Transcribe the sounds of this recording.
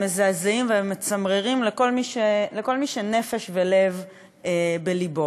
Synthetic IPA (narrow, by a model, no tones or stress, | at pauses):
mezazeimveemːet͡samʁeʁimleko̞lmiʃeleko̞lmiʃene̞feʃvele̞v | ebelibo